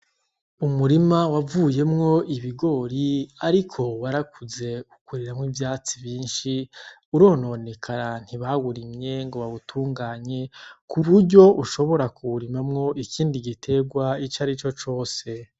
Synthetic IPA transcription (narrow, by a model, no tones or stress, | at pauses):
umuɾimawavuːje̞mŋo̞iβiɡo̞ɾiaɾikʰo̞waɾakʰuze̞ukuɾiɾamŋiːvjaːt͡siβjiːnʃi | uɾo̞ːno̞nekʰaɾan̥hiβaɡuɾimɲe̞ŋɡo̞βaβutʰuːŋɡaːɲe̞kuβuɾɟo̞ʔuʃo̞βo̞ɾakuuɾimamŋo̞ʔikiːndiɡitʰe̞ɡwait͡ʃaɾit͡ʃo̞t͡ʃo̞ːse̞